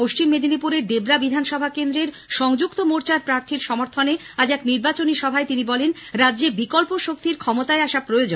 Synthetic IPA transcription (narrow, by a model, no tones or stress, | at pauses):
poʃt͡ɕimːed̪ʱinipuɾeɾɖebɾabid̪ʱanʃɔbʱakend̪ɾeɾ | ʃɔŋd͡ʑukt̪omoɾt͡ɕaɾpɾaɾt̪ʰiɾʃɔmoɾt̪ʰone | ad͡ʑɛkniɾbat͡ɕoniʃɔbʱaet̪inibɔlenɾadːʑebikolpoʃok̚t̪iɾkʰɔmot̪aeaʃapɾojod͡ʑo